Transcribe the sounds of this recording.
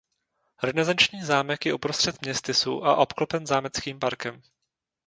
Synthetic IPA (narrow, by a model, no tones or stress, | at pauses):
ɾɛnɛzant͡ʃɲiːzaːmɛkjɛʔupɾost̪r̥ɛt̪mɲɛst̪ɪsṵːʔa̰ʔo̞pklopɛnzaːmɛt͡skiːmpaɾkɛm